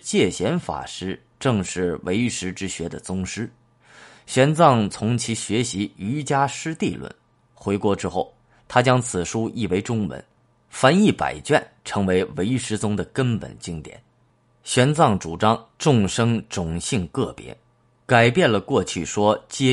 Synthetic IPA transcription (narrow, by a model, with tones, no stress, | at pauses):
t͡ɕjɛ˥˩ɕjɛ˧˥nfa̰˨˩ʂɻ̩˥ | ʈ͡ʂɤ˥˧ŋʂɻ̩˥˩we˧˥ɪy˥ʂɻ̩˥ʈ͡ʂɻ̩˥ɕɥɛ˧˥d̪ə˨t͡sʊ˥ŋʂɻ̩˥ | ɕɥɛ˧˥nt͡sɑ˥˩ŋt͡sʰʊ˧˥ŋt͡ɕʰi˧˥ɕɥɛ˧˥ɕi˧˥y˧˥t͡ɕja˥ʂɻ̩˥t̪i˥˧lwə̰˥˩n | xwe˧˥ɪkwɔ˧˥ʈ͡ʂɻ̩˥xo˥˩ʊ | t̪ʰa˥t͡ɕjɑ˥ŋt͡sʰɹ̩˨˩ʂu˥ʔi˥˩we˧˥ɪʈ͡ʂʊ˥ŋwə̰˧˥n | fa˧˥ni˥˩pa̰˨˩ɪt͡ɕɥɛ˥˩nʈ͡ʂʰɤ˧˥ŋwe˧˥ɪwe˧˥ɪy˥ʂɻ̩˥t͡sʊ˥ŋd̪ə˨kə˥npə̰˨˩nt͡ɕi˥ŋt̪jɛ̰˨˩˦n | ɕɥɛ˧˥nt͡sɑ˥˩ŋʈ͡ʂu˨˩ʈ͡ʂɑ˥ŋʈ͡ʂʊ˥˩˧ŋʂɤ˥ŋʈ͡ʂʊ˨˩ŋɕi˥˧ŋkɤ˥˩pjɛ̰˧˥ | ka˨˩ɪpjɛ˥˩nlə˩kwɔ˥˧t͡ɕʰy˥˩ʂwɔ˥t͡ɕjɛ˥˧